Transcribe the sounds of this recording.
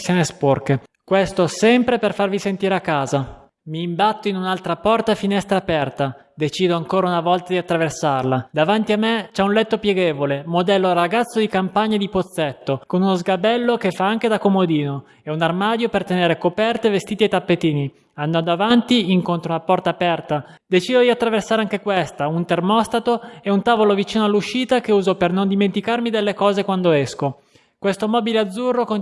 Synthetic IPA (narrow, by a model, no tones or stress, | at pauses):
sanesporkkwest̪osɛmpɾeperfarvisent̪iːɾeakːaːza | miːmbat̪ːoinunalt̪ɾapɔrt̪afinɛst̪ɾaːpɛrt̪a | d̪et͡ʃiːd̪oaŋkoːɾaunavɔlt̪ad̪iat̪ːɾaversarlad̪avant̪iamːet͡ʃɛunlɛt̪ːopjeɡeːvolemod̪ɛlːoɾaɡat̪sːod̪ikampaɲːaed̪ipot̪sːet̪ːokonunozɡabɛlːokefːaaŋk̟ed̪akomod̪iːno | ɛunarmaːd̪jopert̪eneːɾekopɛrt̪evest̪iːt̪iet̪ːapːet̪iːni | and̪and̪oavant̪iiŋkont̪ɾounapɔrt̪aːpɛrt̪a | d̪et͡ʃiːd̪od̪iat̪ːɾaversaːɾeaŋk̟ekwest̪aunt̪ermɔst̪at̪oɛunt̪aːvolovit͡ʃiːnoalːuʃːiːt̪akeuːzopernond̪iment̪ikarmid̪elːekɔːzekwand̪oɛsko | kwest̪omɔːbilead̪zːurːoko